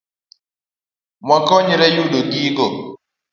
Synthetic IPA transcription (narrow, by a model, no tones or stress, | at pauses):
mwakɔɲɾɛjuɗoɡiɡo